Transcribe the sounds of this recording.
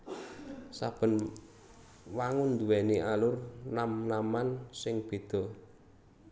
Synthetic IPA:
sa̰b̥ə̤n | waŋʊnd̪uwɛniʔalʊrnamnamansɪŋb̥e̤d̪̥ɔ̤

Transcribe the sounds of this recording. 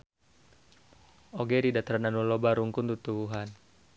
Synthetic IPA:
oɡeɾidat̪aɾananulobaɾuŋkunt̪ut̪ubuɦan

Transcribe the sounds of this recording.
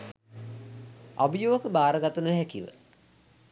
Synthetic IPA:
a̰bijoːkəbaːɾəɡat̪unəɦɛkiʋə̰

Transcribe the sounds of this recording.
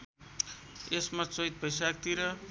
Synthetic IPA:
esmat͡sojt̪̚pʌjsak̚t̪iɾʌ

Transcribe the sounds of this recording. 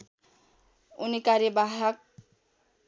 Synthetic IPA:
unikaɾjʌbaɦʌk̚

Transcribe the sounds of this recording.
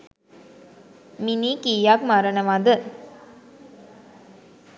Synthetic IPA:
minikijakmaɾənəʋad̪ə

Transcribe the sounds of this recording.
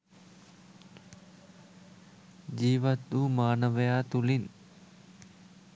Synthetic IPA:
d͡ʑiːʋɐt̪ːumaːnɐʋɐjaːt̪ulin

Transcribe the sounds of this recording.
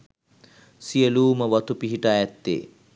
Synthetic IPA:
siəluːməʋat̪upiɦiʈaːjɛt̪ːḛː

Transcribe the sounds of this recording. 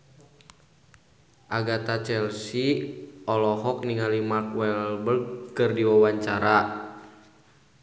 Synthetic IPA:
ʔaɡat̪at͡ʃɛlsiɔlɔɦɔk̚niŋalimakwɛlbəlkɨrdiwawaɲt͡ʃaɾa

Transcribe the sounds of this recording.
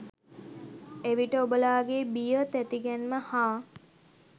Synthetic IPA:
eʋiʈəobəlaːɡebijət̪æt̪iɡɛnməhaː

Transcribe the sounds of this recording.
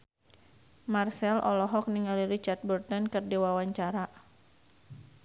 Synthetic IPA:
marsɛlʔɔ̰lɔɦɔk̚niŋaliɾit͡ʃart̪̚bɔrt̪ɔnkərdewawaɲt͡ʃaɾa

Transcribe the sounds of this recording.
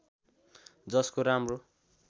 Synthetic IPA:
d͡zʌskoɾamro

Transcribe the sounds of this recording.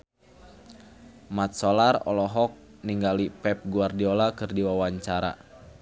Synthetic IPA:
mat̪̚solarɔ̰lɔɦɔk̚ | niŋɡalipɛp̚ɡuardiolakɨrdiwawaɲt͡ʃaɾa̰

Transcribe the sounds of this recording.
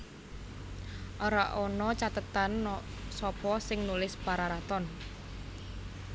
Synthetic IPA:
ʔoɾaʔɔnɔt͡ʃat̪ət̪ansɔpɔsɪŋnulɪspaɾaɾat̪ɔn

